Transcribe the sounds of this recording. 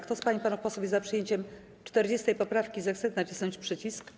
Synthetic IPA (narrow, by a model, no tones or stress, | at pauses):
kt̪ɔspaɲipanufpɔswuvjɛzapʂɨjeɲt͡ɕɛm | t͡ʂt̪ɛɾd͡ʑest̪ɛjpɔpɾafkʲizɛxt̪sɛnat͡ɕʲi̥snɔɲt͡ɕpʂɘt͡ɕisk